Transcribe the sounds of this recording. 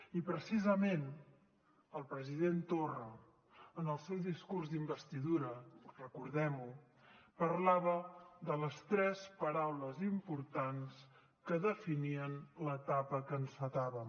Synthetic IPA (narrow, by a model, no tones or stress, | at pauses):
ipɾəsizəmen | əlˠpɾəziðent̪orəː | nəlˠsɛwðiskurzd̪imbəst̪iðuɾərəkuɾðɛmu | pəɾlaβəðələst̪ɾɛspəɾawləzimpuɾt̪ans | kəðəfiniənlət̪apəkənsfət̪aβəm